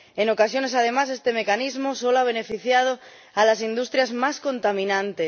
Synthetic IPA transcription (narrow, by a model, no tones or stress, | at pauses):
enokasjone̞saðe̞mas̬e̞st̪e̞mekanizmosoloaβ̞ene̞fiθjað̞o | alasind̪ust̪ɾjazmaskõ̞nt̪amĩnãnt̪es